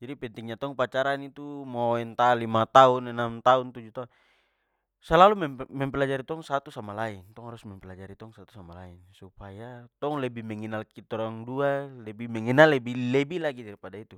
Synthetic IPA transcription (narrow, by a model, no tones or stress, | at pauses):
d͡ʒadipɛnt̪iŋɲat̪ɔŋpat͡ʃaɾanit̪umɔɛnt̪alimat̪aunɛnamt̪aunt̪ud͡ʒut̪au | salalumɛmɛmpɛlad͡ʒaɾit̪ɔŋsat̪usamalaint̪ɔŋhaɾusmɛmpɛlad͡ʒaɾit̪ɔŋsat̪u̥samalainsupajat̪ɔŋlɛbimɛŋinalkit̪ɔɾaŋdualɛbimɛŋinalɛbilɛbilaɡidaɾipadait̪u